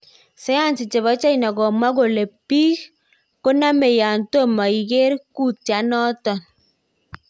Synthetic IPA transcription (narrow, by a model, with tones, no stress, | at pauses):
sɛ˦ja˦˨nsi˨t͡ʃe˨βɔ˨˦t͡ʃa˦i˨na˨ɡɔ˨ma˦ɡo˨le˨pi˦k | ko˦na˦me˨ja˨nto˦ma˨i˨ɡe˦ɾku˦tja˨˦nɔ˦tɔ˨n